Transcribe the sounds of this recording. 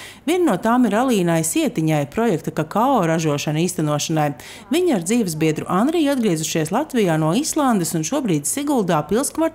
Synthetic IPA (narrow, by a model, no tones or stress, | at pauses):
vʲiɛnːuɔt̪aːmiɾalˠiːnajsiɛt̪iɲajpɾɔjɛkt̪akakaoɾaʒuɔʃaniːst̪anuɔʃanaj | viɲaɾd̪ziːvsbiɛd̪ɾuʔand̪ɾijad̪̚ɡɾiɛzuʃiɛslˠat̪vijaːnuɔislˠand̪esunʃuɔbɾiːd̪siɡulˠd̪aːpilˠskvaɾt̪